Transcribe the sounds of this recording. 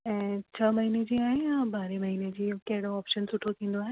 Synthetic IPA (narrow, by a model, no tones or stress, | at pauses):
ɛ̃ːt͡ɕʰɐmɐɦiːned͡ʑiːaːɦejabaːɾemɐɦiːned͡ʑiːkɐɦɪɽoaːpʃənsʊʈʰot̪ʰĩːn̆d̪oaːɦe